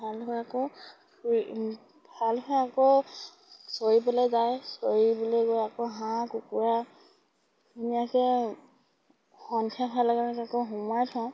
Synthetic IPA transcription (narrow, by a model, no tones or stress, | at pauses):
bʱalɦɔjakɔ | bʱalxɔjakɔ | soɹipɔlɔzajsoɹibɔleɡɔjakɔɦãkukuɹa | unijakɛ | xɔntʰjabʰʱalaɡanɛkakɔɦumajtʰɔ̃